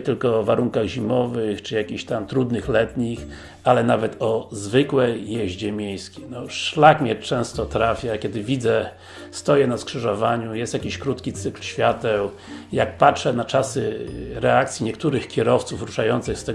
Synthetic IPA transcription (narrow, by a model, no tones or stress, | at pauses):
t̪ɘlkɔːvaɾuŋkaɣʑimɔvɘxt͡ʂɘjakʲiɕt̪amt̪ɾud̪nɘxlɛt̪ɲix | alɛnavɛt̪ɔzvɘkwɛjːɛʑd͡ʑɛmʲjejskʲinɔʂlakmʲɲɛt͡ʂɛ̃w̃st̪ɔt̪ɾafʲjakʲɛd̪ɘvʲid̪zɛ | st̪ɔjɛnaskʂɘʐɔvaɲujɛst̪jakʲiɕkɾut̪kʲit̪sɘklɕfʲjat̪ɛw | jak̚patʂɛnat͡ʂasɘɾɛak̚t̪sʲjiɲɛkt̪uɾɘxkʲɛɾɔft̪sufɾuʂajɔnt̪sɨxst̪ɛ